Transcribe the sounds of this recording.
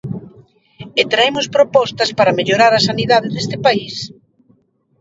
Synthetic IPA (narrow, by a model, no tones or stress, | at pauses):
ɪt̪ɾaemʊspɾopɔst̪ɐspaɾɐmeʎoɾaɾɐsaniðaðɪðest̪ɪpais